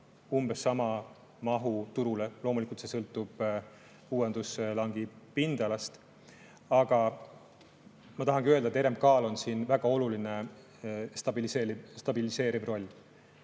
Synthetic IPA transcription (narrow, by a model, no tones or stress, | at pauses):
umb̥esːɑmɑ | mɑɦut̪uɾule̞lo̞ːmulikult̪se̞sɤlt̪ːˑub̥ | uːe̞nd̪̥uslɑŋɡ̥ipind̪̥ɑlɑst̪ | ɑɡ̥ɑ | mɑt̪ɑɦɑŋɡ̥iø̞ld̪ɑet̪eɾe̞mkɑːlo̞nsiːnvæɡ̥ɑo̞luline | st̪ɑbiliseist̪ɑbilise̞ːɾibro̞lʲː